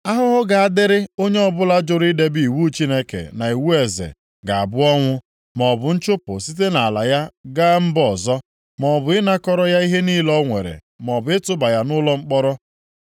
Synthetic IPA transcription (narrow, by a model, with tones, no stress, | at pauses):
a˦ɦʊ˦ɦʊ˦ɡa˨a˦dɪ˦ɾɪ˦o˦ɲe˦ɔ˦bʊ˦la˦d͡ʒʊ˨ɾi˦de˦bi˦˨wu˦t͡ʃi˦ne˦kḛ˨na˨i˨wu˦e˨zḛ˨ | ɡa˨a̰˨bʊ˦ɔ˦ŋʷʊ˦ | mɔ˨bʊ˨n̩˦t͡ʃʊ˦pʊ˨si˦t̬e˦na˨a˨la˨ja˦ɡaː˦m̩˦bɔ˨zɔ˦ | mɔ˨bʊ˨ɪ˦na˦kɔ˦ɾɔ˦ja˦i˦ɦe˦niː˦lɔ˦ŋʷe˨ɾḛ˨ | m˨ɔ˨bʊ˨ɪ˦tʊ˦ba˨ja˦nʊ˦lɔ˦ŋ͡m̩˦k͡pɔ˦ɾɔ˦